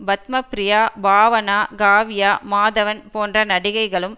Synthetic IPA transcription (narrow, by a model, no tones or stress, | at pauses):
bɐt̪mɐpɾɪjaːbaːʋɐnaːɡaːʋɪjaːmaːðɐʋɐnpoːndrɐnɐɽɪɣɐɪɣɐɭɯm